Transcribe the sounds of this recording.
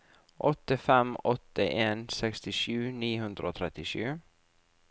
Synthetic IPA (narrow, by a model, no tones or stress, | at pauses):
ʔɔt̪ːəfɛmɔt̪ːəʔeːnsɛkst̪ɪʃʉːniːhɵnd̪ɾəoːt̪ʰɾɛt̪ːɪʃʉː